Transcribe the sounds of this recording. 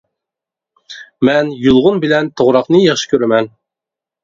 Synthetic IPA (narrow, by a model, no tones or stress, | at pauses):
mɛnjulˠʁʊnbɪlɛnt̪ʰoʁɾɑqnɨjɑχʃi̥kʲʰøɾɛmɛn